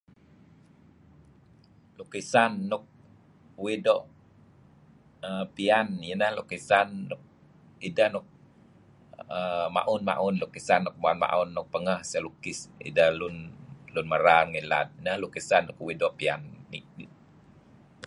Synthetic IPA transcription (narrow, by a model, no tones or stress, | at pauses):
lukisanːɔk̚ | widɔʔ | əpianjənəhlukisanːɔk̚ | idahnɔk̚ | əma̰ʔunma̰ʔunlukisanːɔk̚muanma̰ʔunːɔk̚pəŋəhsalukisḭdahlunlunməɾaŋinla̰t̪̚nəhlukisanːɔkwidɔʔpia̰nːḭi